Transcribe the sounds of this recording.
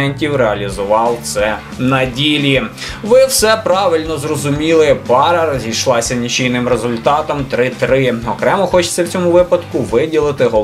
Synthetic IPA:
ɛnʲtʲiwɾeɐlʲizʊʋɑwt̪sɛ | nɐdʲilʲiʋɪwsɛpɾɑʋɪlʲnɔzrɔzʊmʲilˠɪpɑɾɐɾɔzʲijʃlˠɑsʲɐnʲit͡ʃijnɪmɾezʊlʲt̪ɑt̪ɔmt̪ɾɪt̪ɾɪɔkɾɛmɔxɔt͡ʃe̥t͡sʲːɐwt͡sʲɔmʊʋɪpɐd̪kʊʋɪdʲilˠɪt̪ɪɦɔ

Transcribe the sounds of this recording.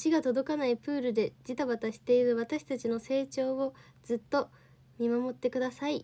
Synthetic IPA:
ɕiɡat̪o̞d̪o̞kanaipɯ̟ːɾɯ̟d̪e̞d͡ʑit̪aβat̪aɕi̥t̪e̞iɾɯ̟β̞at̪aɕi̥t̪at͡ɕino̞se̞ːt͡ɕo̞ːo̞ | z̥ɨt̪ːo̞ | mʲimamo̞t̪ːe̞kɯ̟d̪asai

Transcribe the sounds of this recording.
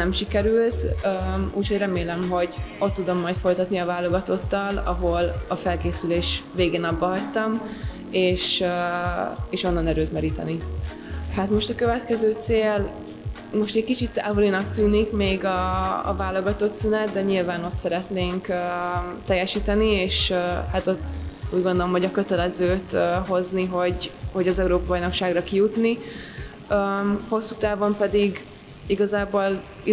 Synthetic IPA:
nɛmʃikɛɾylt̪øṵːcho̞ɟrɛmeːlɛmɦo̞ɟo̞t̪ːud̪o̞mːɒjt̪fo̞jt̪ɒt̪niɒvaːlːo̞ɡɒt̪o̞t̪ːɒlɒ̰ɦo̞lɒfɛlkeːsyleːʃveːɡeːnɒbːɒɦɒc̚t̪ɒm | eːʃ | eːʃo̞nːɒnɛɾøːt̪mɛɾiːt̪ɛ̰ni | hat̪mo̞ʃt̪ɒkøvɛt̪kɛzøːt̪seːl | mo̞ʃt̪ɛckit͡ʃit̪ɛ̰ɦolinɒk̚t̪yːnikmeːɡɒ̰ːvaːlːo̞ɡɒt̪o̞t̪synɛt̪d̪ɛɲilvaːno̞t̪sɛɾɛt̪neːŋkː | t̪ɛjːɛʃiːt̪ɛnieːʃhat̪o̞t̪ːuːɟɡond̪o̞lo̞mɦoɟɒkø̞t̪ɛlɛzøːt̪ːɦo̞zniɦo̞ɟho̞ɟɒzɛuɾoːpɒbɒjno̞kʃaːɡrɒkijut̪ni | ømho̞sːut̪aːvo̞mpɛd̪iɡ | iɡɒzaːboːl | i

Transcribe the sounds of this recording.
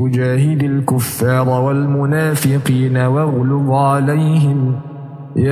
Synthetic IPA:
ʊd͡ʒaːɦɪd̪alkʊfːɑːɾˤwalmʊnaːfɪqiːnawɑɣlʊbʕalajɦɪm | ja

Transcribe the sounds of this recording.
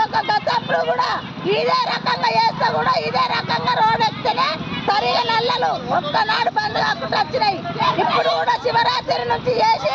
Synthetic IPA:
ɔkɐkːɐt̪ɐpːuɽukuːɽaː | iːd̪eːɾɐkɐŋɡaːjeːst̪ɐkuːɽaːiːd̪eːɾɐkɐŋɡaːɾoːɽest̪eneːsɐɾiɡɐnɛlːɐluɔt̪ːɐnaːɽupɐnd̪iɡaːkːuʈɐt͡ʃːinɐjiipːuɽukuːɽaːt͡ʃiʋɐɾaːt̪eɾinut͡ʃijeːsi

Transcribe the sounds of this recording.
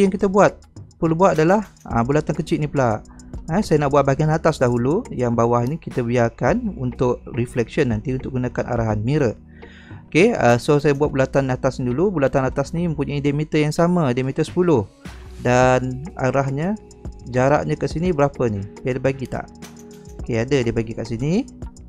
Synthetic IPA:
jaŋkit̪əbuat̪̚pəlubuat̪̚adalaha̰bulat̪ankət͡ʃɪt̪ʔnipəlaʔəsajənaʔbuwaʔ̪̚baɡianat̪asdaɦulujaŋbawahnikit̪əbiarkanṵnt̪ʊʔ̚riflɛksənːant̪iunt̪ʊʔk̚ɡunakanʔa̰ɾaɦanmiɾə | okeəsosajabuat̪̚bulat̪anat̪asnidulubulat̪anat̪asnimə̃mpuɲaidemit̪əjaŋsamədəmit̪əsə̥pulʊhdana̰ɾahɲə | d͡ʒaɾa̰ʔɲə̃kaʔsinibəɾapənipidəbaɡit̪a̰ʔ | okeadədiəbaɡikaʔsini

